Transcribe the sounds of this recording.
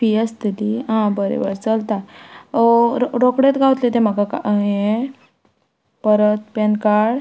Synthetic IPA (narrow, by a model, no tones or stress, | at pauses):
iəst̪iliɦãbəɾḛbəɾt͡səlt̪a | ɾɾokɽet̪ɡaʋwt̪let̪em̤akaka̰ʔe | pəɾət̪̚pɛnkaɽ